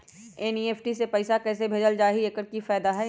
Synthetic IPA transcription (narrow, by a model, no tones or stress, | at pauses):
eːnieːpʰʈisepɛɪsakɛːsebʱeːd͡ʒəld͡ʒaːɦiekəɾkifɛːd̪aɦɛ